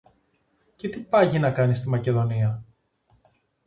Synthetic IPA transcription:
ce̞t̪ipɐʝinɐkɐnist̪imɐce̞ðo̞niɐ

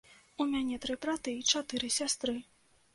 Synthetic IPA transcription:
umʲanʲɛt̪ɾɨbɾat̪ɨit͡ʂat̪ɨɾɨsʲast̪ɾɨ

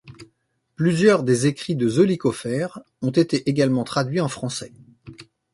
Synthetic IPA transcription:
plyzjœʁd̪ezekχid̪əzɔlikɔfɛʁ | ɔ̃t̪et̪eʔeɡalmɑ̃t̪χad̪ɥiɑ̃fχɑ̃sɛ

